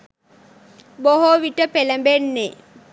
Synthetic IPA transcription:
boɦoʋiʈəpeləmbenːe

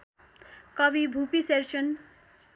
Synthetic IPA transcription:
kʌbibʱupiseɾt͡sʌn

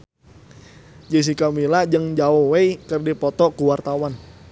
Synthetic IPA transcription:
d͡ʒəs̬ikamilad͡ʒəŋd͡ʒaɔwejkərdipɔt̪ɔkuwart̪awan

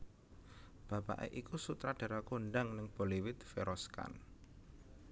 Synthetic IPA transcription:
b̥ä̤pa̰ʔḛʔikusut̪ɾaɖ̥a̤ɾakonɖaŋnɪŋb̥oliwɪt̪feɾɔska̰n

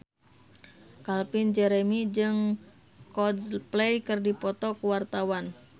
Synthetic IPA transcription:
kalpind͡ʒɛɾɛmid͡ʒɨŋ | kɔdplɛjkɨrdipɔt̪ɔkuwart̪awan

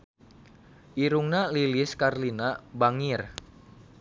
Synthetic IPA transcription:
ʔiɾuŋnaliliskarlinabaŋir

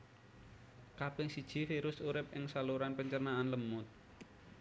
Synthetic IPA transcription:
kapɪŋsid̥ʒ̥i̤fiɾʊsuɾɪp̚ɪŋsaluɾanpəɲt͡ʃərnaanləmʊt̪̚

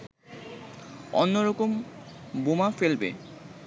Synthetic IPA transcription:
onːoɾɔkombomafelbḛ

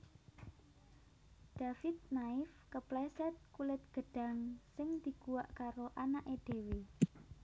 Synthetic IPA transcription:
d̪̥afɪt̪̚naɪfkəplɛsɛt̪̚kulɪt̪̚ɡ̥ə̤ɖ̥ä̤ŋsɪŋd̪̥i̤ɡ̥uwaʔkaɾoʔanaʔed̪̥e̤we

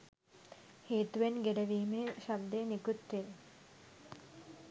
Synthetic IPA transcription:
heːt̪uʋenɡeɖəʋiːmeʃab̪̚d̪eːnikut̪ɾe

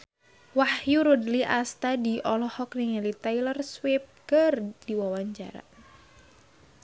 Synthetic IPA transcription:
wahjuɾudliʔast̪adiʔɔlɔhɔkniŋalit̪ajlərswɪp̚kərdiwawaɲt͡ʃa̰ɾa̰

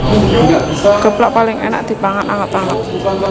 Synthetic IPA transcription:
ɡ̥ə̤plaʔpalɪŋena̰ʔd̪̥i̤paŋanaŋət̪aŋət̪

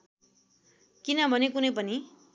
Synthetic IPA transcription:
kinʌbʱʌnekunʌjpʌni

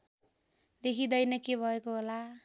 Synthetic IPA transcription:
lekʰid̪ʌjnʌkebʱʌekoɦola

